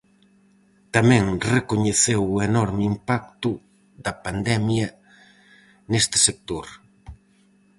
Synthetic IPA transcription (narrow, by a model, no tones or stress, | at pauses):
t̪amɛ̃ŋrekoɲeθewenɔɾmɪimpak̚t̪ʊ | ðɐpand̪ɛmjɐ | nest̪ɪ̥sek̚t̪oɾ